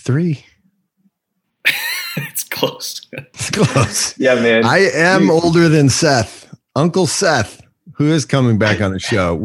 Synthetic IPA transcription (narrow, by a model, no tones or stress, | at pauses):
θɹi | ɪtskʰl̥oʊstskʰl̥oʊsjæmæ̃aɪɨ̃moʊlˠdə˞ðɨ̃nsɛθ | ʌ̃ŋkl̩ˠsɛθ | huɪz̥kʰʌmɪ̃ŋbækn̩ðɨʃoʊ